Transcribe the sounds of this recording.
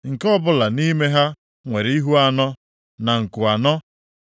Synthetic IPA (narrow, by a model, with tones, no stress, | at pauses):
ŋ̩˨kɔ˦bʊ˦la˨ni˦me˦ɦa˦ | ŋʷe˨ɾi˦ɦu˦a˦˨nɔ˦ | na˨ŋ̩˨kʊ˨a˨nɔ˦